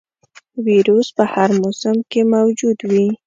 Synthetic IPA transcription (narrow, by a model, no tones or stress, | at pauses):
wiɾuspəhaɾmosəmkemawd͡ʒud̪wi